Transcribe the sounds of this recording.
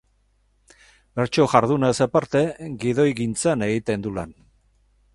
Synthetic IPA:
be̞ɾt͡ʃo̞ʝaɾðunasepaɾt̪e̞ɡiðo̞jɣint͡sane̞ɣit̪e̞nd̪ula̰n

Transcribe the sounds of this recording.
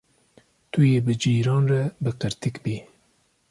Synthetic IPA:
t̪ʰujeːbɨd͡ʒiːɾɑːnrɛbɨqɨɾt̪ikbiː

